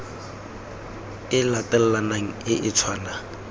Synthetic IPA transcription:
ɪlatɛl̩lanaŋ̩ɪʔɪt͡sʰwaːna

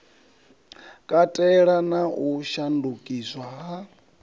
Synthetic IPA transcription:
kʼatʼɛɺanauʃandukʼiswaɦa

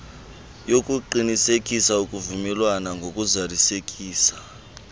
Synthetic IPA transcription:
jok̬ʼuǃinisekʼisaukʼuvumɛlwanaŋɡʱok̬ʼuzarisekʼiːsḁ

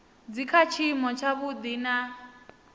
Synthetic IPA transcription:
d͡zikʰat͡ʃʰimɔt͡ʃʰaβud̪ina

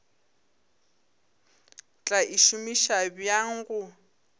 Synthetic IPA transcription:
t͡ɬʼaʔiʃumiʃabjaŋ̩ɣʊ

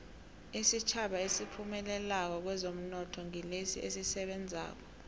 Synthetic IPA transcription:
isit͡ʃʰaɓaesipʰumɛlɛlak̬ɔk̬wɛzom̩nɔtʰɔŋilesḭʔesisɛɓɛnd͡zʱa̰ːk̬ɔ̥

